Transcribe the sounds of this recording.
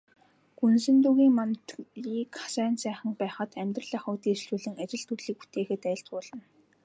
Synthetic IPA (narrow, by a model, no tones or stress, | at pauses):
ɡunsɘ̆nt̪uːɣiːŋmant̪iːkʰḁsæːnsæːχə̆ŋpæːχə̆t̪æmʲt̪rə̆ɮaːχʊːt̪iːst͡ɕuːɮɘ̆ŋat͡ɕɪ̆ɮt̪ʰurɮiːk̚pu̥t̪ʰeːxɘ̆t̪æːɪ̆ɬt̪ʊːɮə̆n